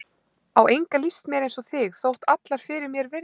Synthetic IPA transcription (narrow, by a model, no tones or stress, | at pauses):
awʔejŋkalist̪mjɛɾejnsɔθɪɣθowht̪at̪laɾ̥fɪːɾɪɾmjɛɾvɪɾ